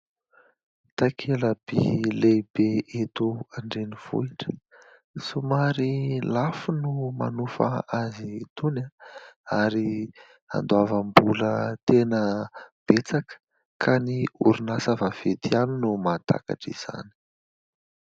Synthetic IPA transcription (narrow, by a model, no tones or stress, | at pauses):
t̪akʰeləb̥ḭlebeet̪uaɳɖ͡ʐeniv̥ṵiʈ͡ʂə̥ | sumaɾilafunuma̰nufa̰azit̪unaaɾi | a̰nd̪uavambulət̪enəb̥et͡sakə̥ | kʰaniṵɾunasavav̥et̪ianinumat̪a̰ka̰ʈ͡ʂḭz̥a̰ni̥